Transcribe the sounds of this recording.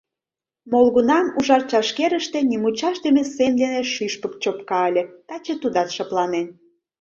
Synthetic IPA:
molɣunɑmuʒɑrt͡ɕɑʃkeɾə̆ʃt̪enimut͡ɕɑʃd̪emesend̪eneʃyʃpə̆kt͡ɕop̚kɑəlʲĕt̪ɑt͡ɕet̪ud̪ɑt̪ʃɑplɑnen

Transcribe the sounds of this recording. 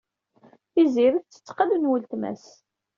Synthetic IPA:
iziɾəθt͡sːə̥t͡sːqələnwəlt̪mæ̰s

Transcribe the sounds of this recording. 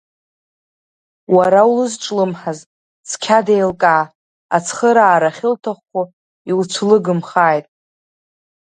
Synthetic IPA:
waɾawlɨzʈ͡ʂʼlɨmħaz | t͡sʰkʲʰadejlkʼaː | a̰t͡sʰχəɾaːɾaχʲɪltʰaχːʷo | iwt͡sʷʰlɨɡɨmχaːjtʼ

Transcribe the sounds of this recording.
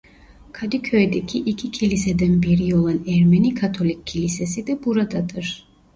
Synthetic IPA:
kʰad̪ikʰøjd̪ɛcʲʰiʔicʲʰicʲʰilʲisɛd̪ɛnbiɾiolˠanɛɾmɛnikʰat̪ʰolʲˠikʲʰːilʲisɛsid̪ɛbuɾad̪ad̪ɯɾ̥

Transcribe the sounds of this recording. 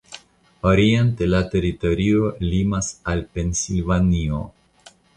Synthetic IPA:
oɾiente̞late̞ɾito̞ɾio̞limasalpe̞nsilvanio

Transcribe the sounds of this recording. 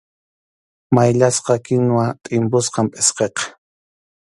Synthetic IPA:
majʎasqɑkɪnwat̪ʼɪmpʊsqɑmpʼesqeqɑ̥

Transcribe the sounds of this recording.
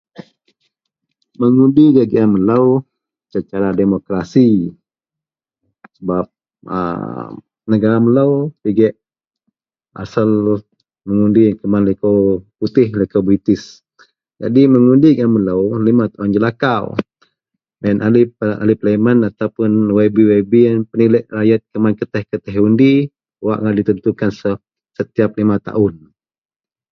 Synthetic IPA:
məŋundiɡaɡiamələw | t͡ʃət͡ʃaɾademokɾasi | səbap̚ | ə̰ | nəɡaɾaməlawp̪iɡɛʔ | ʔa̰sal | məŋundikəmanləkowput̪ɪhləkowbɾit̪ɪs | d͡ʒa̰diməŋundiŋamələwlimat̪aʊnd͡ʒəlakaw | dɛnʔalia̰lipləmanat̪awpʊnwɛbiwebianpənilɛʔrajat̪̚kəmankət̪ɛhkət̪ɛɦundi | waʔŋaʔdit̪ənt̪ukansə | sət̪iap̚limat̪a̰ʔʊn

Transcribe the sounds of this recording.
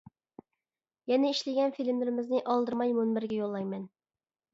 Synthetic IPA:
jɛnɪiʃlɪɡʲɛnfilɪmlɪɾɪmɪznɪʔɑlˠd̪ɨɾmɑjmonbɪɾɡʲɛjolˠːɑjmɛn

